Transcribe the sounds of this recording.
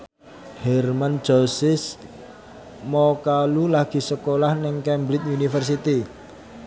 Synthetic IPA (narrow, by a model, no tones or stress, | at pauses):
hɛrman̥d͡ʒ̥ɔsɪs | mɔkalulaɡ̥i̤səkolahnɪŋkɛmbɾɪt̚unifərs̬it̪i